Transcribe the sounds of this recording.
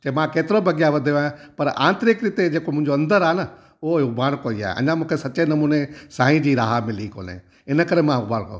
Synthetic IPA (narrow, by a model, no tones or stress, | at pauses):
t͡ɕɐẽmãkeːt̪ɪɾobʱɐɡijaʋɐd̪ʱijoãːpɐɾʔã̰ːnt̪ɾɪkɾɪt̪ed͡ʑeːkomʊ̃ɦɪ̃ɲd͡ʑoɐ̃nd̪əɾaːɦenə | ʊoʊbʱaːɽ̃koːia̰ːɦḛʔɐ̰̃ɲãmũːkʰesɐt͡ɕenɐmuːnesãːĩd͡ʑiːɾaːɦamɪ̃liko̰ːnḛ | ɪnəkɐɾemãʊbʱaːɽ̃kɐjo̰